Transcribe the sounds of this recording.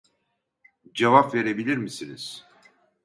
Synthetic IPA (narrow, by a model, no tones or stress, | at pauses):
d͡ʒevapve̞ɾebilʲiɾmisiniz̥